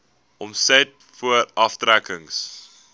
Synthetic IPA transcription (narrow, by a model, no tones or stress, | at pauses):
ʔɔmsɛt̚ | fuəɾɐftɾækəŋs